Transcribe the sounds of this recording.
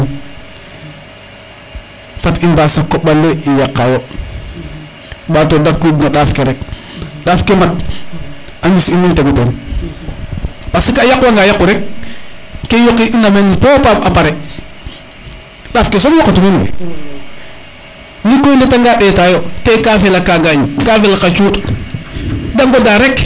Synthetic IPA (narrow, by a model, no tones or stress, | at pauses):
n | fatinbasakoɓalːeijakːajo | ɓaːtodakːidnaɗafkeɾek̚ | ɗafkemat̚ | aɲisinːinteɡuten | pasikajakwaŋɡajakːuɾek̚ | kːejokiʔinamenipopapapaɾe | ɗaːfkes̬omjɔkatimenwḛ | nikːojnetaŋɡaɗetajotekafilakaɡajikafilakat͡ʃut | daŋɡodaɾek